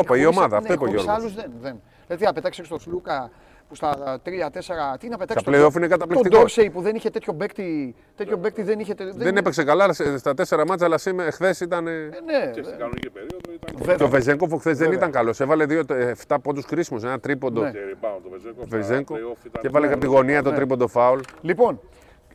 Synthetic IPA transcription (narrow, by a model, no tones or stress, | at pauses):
opɐio̞mɐðɐːt̪oipoʝeosɣsɐlusðenðen | et̪iɐpet̪akçseest̪oslukɐ | pust̪ɐt̪ɾiɐt̪eseɾɐt̪iineɐpet̪asɐsleofinekɐt̪ɐplikt̪id̪oɾsejpuðe̞niçet̪et̪ʰço̞bekt̪i | t̪et̪ço̞bek̚t̪iðeniçet̪eððenepeksekalɐsst̪ɐt̪ese̞ɾɐmɐt͡sɐlɐsimexθesit̪ɐnene | ɾivet̪ovezeŋkofoxθez̬ðenit̪ɐŋkɐlo̞se̞vɐle̞ðiot̪ft̪ɐpod̪uskɾisimosenɐt̪ɾipond̪on | vezeŋkocevɐlekɐpt̪iɣo̞niɐt̪ot̪ɾipond̪o̞fɐollipo̞n